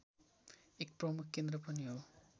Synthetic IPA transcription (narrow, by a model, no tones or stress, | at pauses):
ek̚pɾʌmukʰkend̪ɾʌpʌnio